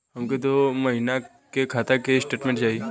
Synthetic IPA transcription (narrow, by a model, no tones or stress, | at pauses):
ɦɐmket̪omɐɦina | kekʰaːt̪akesʈeːʈmẽɳʈt͡ʃaːɦie